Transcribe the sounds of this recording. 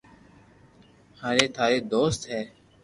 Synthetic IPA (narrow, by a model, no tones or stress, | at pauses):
haːɾeːt̪ʰaːɾeːd̪oːst̪ɦɛː